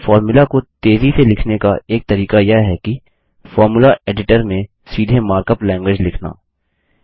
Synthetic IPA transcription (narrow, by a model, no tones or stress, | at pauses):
fɔːɾmʊlakot̪eːziselɪkʰnekaʔeːk̚t̪ɐɾiːkajəɦɛki | fɔːɾmʊlaeːɖɪʈəɾmẽ | siːd̪ʱemaːɾkəplɛ̃ːŋɡwɪːd͡ʒlɪkʰna̰ː